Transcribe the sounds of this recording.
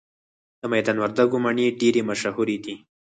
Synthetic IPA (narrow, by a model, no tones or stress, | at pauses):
d̪̥əmajd̪anwaɾd̪aɡomaɳeɖeɾemaʃahuɾed̪i